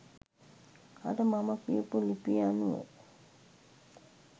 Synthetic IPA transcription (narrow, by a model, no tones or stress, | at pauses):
a̰dəmaməkiəpulipianuʋə̰